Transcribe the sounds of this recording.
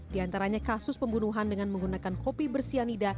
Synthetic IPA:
diant̪aɾaɲakasʊspəmbunuɦandəŋanməŋɡunakankopibərsianida

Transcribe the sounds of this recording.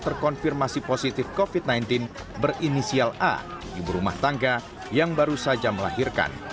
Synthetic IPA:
t̪ərkɔnfirmasiposit̪ɪfkofit̪̚najnt̪ɪn | bərinisiala̰dibəɾuma̰ht̪aŋɡa | jaŋbaɾusad͡ʒaməla̰hirka̰n

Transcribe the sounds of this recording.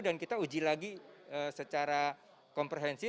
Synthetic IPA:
dankit̪aud͡ʒilaɡiəsət͡ʃaɾa | kɔmpɾeɦɛnsi

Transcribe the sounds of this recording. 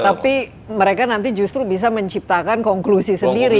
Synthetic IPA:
t̪api | məɾekanant̪id͡ʒust̪ɾubis̬aməɲt͡ʃip̚t̪akankɔŋklusisəndiɾi

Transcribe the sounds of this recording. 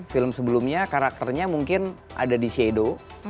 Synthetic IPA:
fɪləmsəbəlumɲakaɾak̚t̪ərɲamuŋkɪnʔa̰dadisiedo

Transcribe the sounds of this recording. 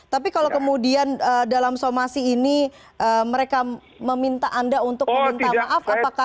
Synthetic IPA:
t̪apikalowkəmudianəːdalamsomasiːni | ʔəːməɾeka | məmint̪aʔandaunt̪ʊk̚məmint̪amaʔafapaka

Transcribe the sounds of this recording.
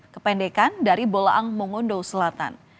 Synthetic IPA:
kəpɛndekandaɾibolaʔaŋmuŋʊndowsəlat̪a̰n

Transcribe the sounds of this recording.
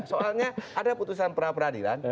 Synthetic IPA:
soalɲaadaput̪usanpəɾapəɾadila̰n

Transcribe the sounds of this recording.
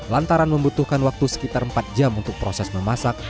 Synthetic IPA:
lant̪aɾanməmbut̪uhkanwak̚t̪usə̥kit̪arəmpat̪̚d͡ʒamunt̪ʊk̚pɾosɛsməmasak̚

